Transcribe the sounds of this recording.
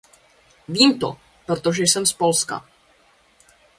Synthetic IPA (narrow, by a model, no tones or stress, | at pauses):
viːmt̪o̰ | pɾot̪o̞ʒɛjsɛmspo̞lska̰